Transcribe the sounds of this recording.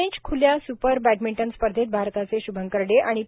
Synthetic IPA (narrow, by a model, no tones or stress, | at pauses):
ĩt͡ɕkʰuljasupəɾbæʈmiɳʈənspəɾd̪ʱet̪̚bʱaɾt̪at͡seɕubʱəŋkəɾɖeʔaɽ̃i